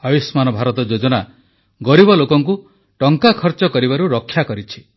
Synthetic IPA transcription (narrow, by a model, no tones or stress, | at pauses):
abismanɔbʱaɾɔt̪ɔd͡ʒod͡ʒɔna | ɡɔɾibɔlokɔŋku | ʈɔŋkakʰɔɾt͡ʃɔkɔɾibaɾuɾɔkʰːjakɔɾit͡ʃʰi̥